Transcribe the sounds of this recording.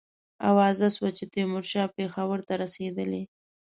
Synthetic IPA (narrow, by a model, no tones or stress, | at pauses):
a̰wɑzaswat͡ʃet̪emʊɾʃɑpexawəɾt̪aɾased̪əle